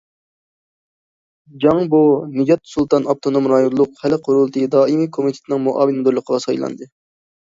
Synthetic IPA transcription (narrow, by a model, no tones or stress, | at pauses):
d͡ʒɑŋbunɨd͡ʒɑt̪̚sulˠt̪ʰɑnɑp̚t̪ʰonomɾɑjonlˠʊqhælɪqʰoɾulˠt̪ʰɨd̪ɑːimikʰomit̪ʰe̥t̪ɪnɨŋmoʔɑ̰ːvɨnɨd̪oɾlˠəqʰəʁɑsɑjlˠɑ̰nd̪ɨ